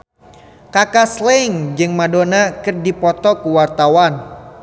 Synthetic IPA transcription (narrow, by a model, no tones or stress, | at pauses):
kakaslɛŋd͡ʒɨŋmadonakɨrdipɔt̪ɔkuwart̪awan